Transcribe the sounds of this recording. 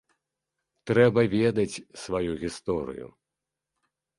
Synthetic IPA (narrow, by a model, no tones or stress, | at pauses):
t̪ɾɛbɐvʲɛd̪ɐt͡sʲsvajuɣʲist̪ɔɾɨ̰jṵ